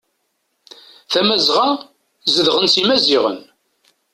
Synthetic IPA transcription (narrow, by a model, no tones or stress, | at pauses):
θæmæzʁa | zəðʁənsimæziʁə̰n